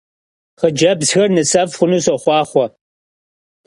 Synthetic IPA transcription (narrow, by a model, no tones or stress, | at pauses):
χəd͡ʒɐbzxɐrnɨsɐvχʷʊnuːsɐχʷɑːχʷɔ